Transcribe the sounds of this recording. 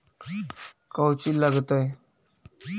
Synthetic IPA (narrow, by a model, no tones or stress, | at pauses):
kəwt͡ɕiːlaɡt̪aj